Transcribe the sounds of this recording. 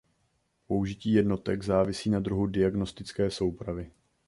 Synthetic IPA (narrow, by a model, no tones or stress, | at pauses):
po̞uʒɪciːjɛdno̞t̪ɛɡzaːvɪsiːnad̪ɾuɦudɪaɡno̞st̪ɪt͡skɛːso̞wpɾavɪ